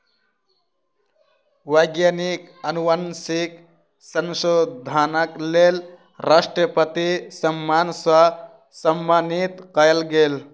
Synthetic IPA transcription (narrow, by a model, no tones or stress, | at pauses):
wəjɡjanikənuwansik | sənsod̪ʱaːnəklel | ɾasʈɾəpət̪isəmːaːnsa | səmːanit̪kəjəlɡeːl